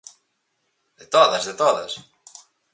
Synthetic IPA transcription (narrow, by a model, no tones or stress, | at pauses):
d̪ɪt̪oðɐzðɪt̪oðɐs